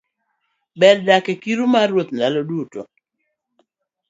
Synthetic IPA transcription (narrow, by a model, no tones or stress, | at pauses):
bɛddakekiɾumaɾwot̪̚ndaloduto̰